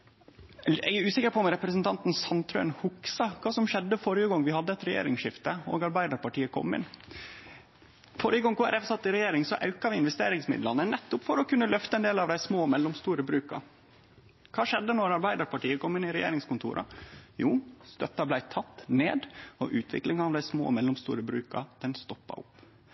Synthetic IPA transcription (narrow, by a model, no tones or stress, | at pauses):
ɛʉːsɪkəɾpʰɔmɾɛpɾəsnt̪ʰɑnt̪n̩sɑnt̪ʰɾøːnhʊksɑkʰɑːsɔmʃɛd̪ːəfɔɾjəɡɔŋːʋɪhɑd̪ːəɛt̪ɾɛjḛːɾɪŋʃɪft̪əo̰ːɡɑɾbæɪd̪ɑɾpɑʈiːəkʰɔ̰mːɪ̰n | fɔɾjəɡɔŋkʰuːæɾɛfsɑt̪ːɪɾɛjeːɾɪŋsɔʔɑʉkɑʋɪɪnʋɛst̪ḛːɾɪŋsmɪ̰d̪lɑnənɛt̪ːʊpfɔɾɔkʰʉnːəlœft̪əɛːnd̪eːlɑʋd̪æɪsmoːmɛlːɔmst̪uːɾəbɾʉːkɑ̰ | kʰɑːʃɛd̪ːənɔɾɑɾbæɪd̪ɑɾpɑʈiːəkʰɔmːɪnɪɾɛjḛːɾɪŋskʊnt̪ʰṵːɾʔɑ̰juːst̪œt̪ːɑblæɪt̪ʰɑt̪ːneːd̪ɔ̰ʔʉːt̪ʰʋɪ̰klɪŋɑːʋd̪æɪsmo̰ːmɛlːʊmst̪ṵːɾəbɾʉ̰ːkɑ̰d̪̥ɛnst̪ɔpːɑ̰ʔʊpː